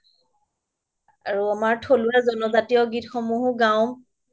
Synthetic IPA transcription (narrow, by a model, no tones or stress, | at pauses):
aɹuamaɹtʰoluazɔnɔzatijɔɡitxomuɦɡaw̃